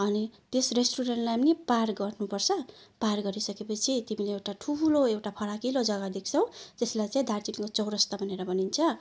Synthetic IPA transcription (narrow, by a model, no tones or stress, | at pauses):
ʌnit̪esresʈuɾenʈlaamniparɡʌrnupʌrt͡sʰʌparɡʌɾisʌkepʌt͡sʰit̪imileewʈaʈʰuloewʈapʰʌɾakilod͡zʌɡad̪ikʰt͡sʰʌw̃t̪eslajt͡saĩd̪ʱartinkot͡sʌwɾʌst̪ʌbʱʌneɾʌbʌnint͡sʰʌ